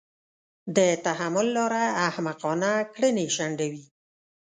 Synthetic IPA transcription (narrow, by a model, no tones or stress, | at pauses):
d̪ət̪aɦamʊlːɑɾaːhmaqɑnakɽəneʃaɳɖawi